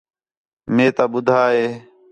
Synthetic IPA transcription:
mẽːt̪aːɓʊd̪ʱaːɦeː

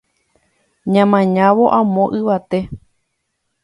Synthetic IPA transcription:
ɲãmãɲãʋo̞ʔãmõʔɨʋat̪e̞

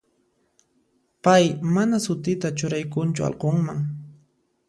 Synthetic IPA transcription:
pajmanasʊt̪ɪt̪at͡ʃʊɾajkʊnt͡ʃʊ̰a̰lqoŋmaŋ

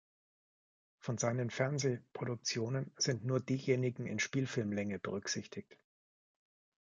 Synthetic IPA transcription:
fɔnzaɪnənfɛɐnzeːpʁ̥oɾʊk̚t͡sjoːnənz̥ɪntnuːɐdiːjeːnɪɡŋ̩ɪ̰nʃpiːlfɪlmlɛŋəb̥ə̰ʁ̞ʏkz̥ɪçtʰɪçt

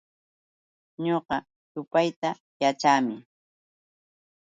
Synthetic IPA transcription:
ɲoqɑ | sʊpajt̪a | jat͡ʃaːmɪ

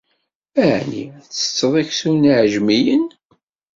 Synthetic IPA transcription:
æʕnḭθə̥t͡sːəðˤæçsunʕʒmijən

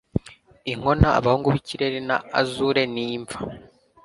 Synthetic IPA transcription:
iŋo̞naa̰βahuːŋɡuβicʰiɾeɾena̰ːzuɾe̞niːɱva

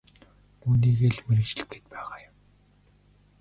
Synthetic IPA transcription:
uːniːɣeːɮmeɾɘ̆kt͡ɕɪ̆ɬt̪̚ɡĕ̥t̪̚pæːʁaːjʊm

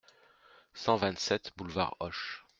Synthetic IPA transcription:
sɑ̃vɛ̃t̪sɛt̪bulva̰ʁɔʃ

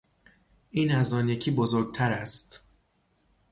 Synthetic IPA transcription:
ʔiːnæzɒːnjecʰiːbozoɾɡ̚t̪ʰæɾæst̪

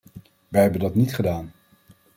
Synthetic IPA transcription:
ʋɛjɦɛbəndɑtnitχədaːn

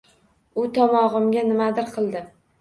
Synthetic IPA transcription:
ʊt̪ʰɒmɒʁɨmɡʲanɪmad̪ɪɾqʰɨlˠd̪ɪ

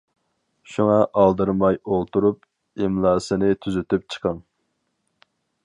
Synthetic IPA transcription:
ʃuŋɑʔɑlˠd̪ɨɾmɑjolˠt̪uɾup̚ | ɪmlˠɑːsɨnɪt̪ʰyzyt̪yp̚t͡ʃʰə̥qʰɑŋ

